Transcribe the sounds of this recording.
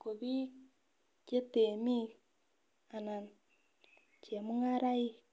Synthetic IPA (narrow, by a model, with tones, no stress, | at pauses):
ko˨βi˦ | t͡ʃe˦te˨mi˦ | a˨na˨n | t͡ʃe˨mu˦ŋa˦ɾa˦i˦